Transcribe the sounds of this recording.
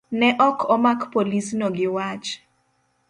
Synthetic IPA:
nɛʔɔkʰɔmakpolisnɔɡɪwat͡ʃ

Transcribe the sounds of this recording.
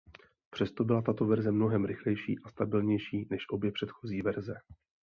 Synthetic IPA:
pr̝̥ɛst̪o̞bɪlat̪at̪o̞vɛɾzɛmno̞ɦɛmɾɪxlɛjʃḭːʔast̪abɪlɲɛjʃiːnɛʃʔo̞bjɛpr̥ɛt̪xo̞ziːvɛɾzɛ

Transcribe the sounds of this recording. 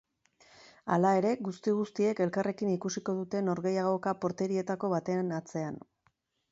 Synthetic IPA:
alae̞ɾe̞ɣust̪iɣ̞ust̪ie̞ke̞lkare̞kinikusiko̞ðut̪e̞no̞ɾɣe̞jaɣo̞kapo̞ɾt̪e̞ɾie̞t̪ako̞βat̪e̞anat͡se̞an

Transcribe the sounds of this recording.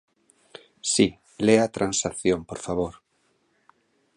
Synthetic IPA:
si | leat̪ɾansaθjõmpoɾfaβoɾ

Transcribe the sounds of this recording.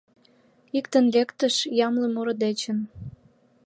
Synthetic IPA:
ikt̪ənlekt̪əʃjɑmlemoɾə̆d̪et͡ɕən

